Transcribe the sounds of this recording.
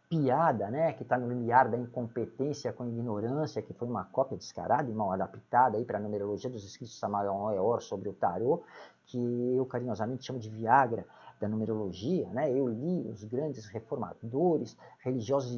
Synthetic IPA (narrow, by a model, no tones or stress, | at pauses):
piad̪ɐnɛkɪt̪anʊlimiaɾd̪ɐĩŋkõmpet̪ẽsjɐkõiɡinoɾɐ̃sjɐkɪfojũmɐkɔpjɐd͡ʒɪ̥ska̰ɾad̪ɐɪ̃mawad̪apit̪ad̪ɐaipɾɐnũmeɾoloʒiɐd̪ʊzeskɾit̪ʊsamad̪ãeɔɾsobɾɪʊt̪a̰ɾokʰɪewkaɾĩɲɔzɐmẽnt͡ʃ̪ɪʃɐ̃mʊd͡ʒɪviaɡɾɐ | d̪̥ɐnũmeɾoloʒiɐnɛewliʊ̰zɡɾɐ̃nd͡ʒɪsʁefoɾma̰d̪oɾɪsheliʒiɔzʊz